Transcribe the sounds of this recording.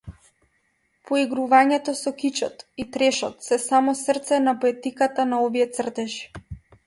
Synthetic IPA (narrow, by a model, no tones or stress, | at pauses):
pʰɔiɡɾuvaɲɛt̪ɔsɔkit͡ʃɔ̰t̪it̪ɾɛʃɔt̪sɛsamɔsrt̪sɛnapɔɛt̪ikat̪anaɔviɛt̪sr̩t̪ɛʃi̥